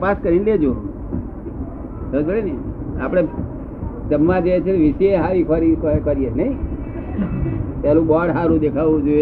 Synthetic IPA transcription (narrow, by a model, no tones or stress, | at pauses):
paskəɾinled͡ʒo | səbəɽineiapɽ̃e | d͡ʒəmːãd͡ʒəjet͡ʃʰekeʋiseeɦaɾikʰəɾikkəɾijenəĩ | t̪jalũbɔɽɦaɾũd̪ekʰaʋũd͡ʒoe